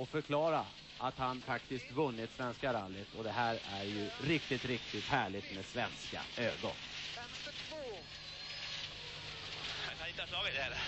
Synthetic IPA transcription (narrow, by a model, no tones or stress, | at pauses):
ɔfœɾkʰlɑːɾa | ʔat̪hanfakt̪ɪskt̪vɵnːɪt̪svɛnskaɾalːɪt̪ʰɔd̪ɛɦæːɾæɾjɵɾɪk̚t̪ɪt̪ɾɪk̚t̪ɪt̪hæːɭɪt̪mɛːd̪svɛnska̰øːɡɔ̰nfɛmst̪ɪt̪ʰvoː | akʰaɪnt̪ːɑɛ